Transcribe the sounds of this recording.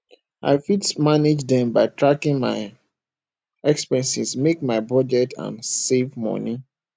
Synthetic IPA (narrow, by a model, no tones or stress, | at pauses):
ʔa̰ɪfitmaned͡ʒdɛ̃mbaɪtʰɹakĩŋma̰ɪ | ɛkspɛ̃nsismek̚maɪbɔd͡ʒɛtã̰nsevmɔ̰ni